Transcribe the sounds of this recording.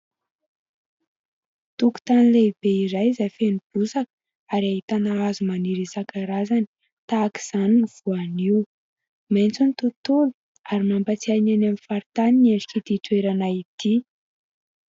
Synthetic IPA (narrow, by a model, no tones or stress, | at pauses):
t̪uku̥t̪anileib̥eiɾajizajfenub̥usakə̥ | aɾaɦit̪anaazumaniɾisakaɾazani̥ | t̪aːki̥z̥aniniv̥uaniw | ment͡sunit̪ut̪ulu | aɾimambat͡siananamifaɾit̪anineɳɖ͡ʐikid̪iʈ͡ʂueɾanait̪i